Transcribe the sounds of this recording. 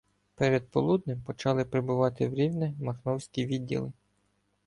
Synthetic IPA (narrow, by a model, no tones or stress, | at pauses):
pɛɾɛd̪̚pɔlˠud̪̚nɪmpɔt͡ʃɑlˠɪpɾebʊʋɑt̪ɪwɾʲiwnɛmɐxnɔwsʲkʲiʋʲidʲːḭlˠɪ